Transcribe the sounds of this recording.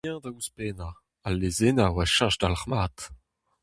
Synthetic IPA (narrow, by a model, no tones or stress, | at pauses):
ɛ̃dauspeːna | alːezenawaʃãʒdalaʁmaːt̪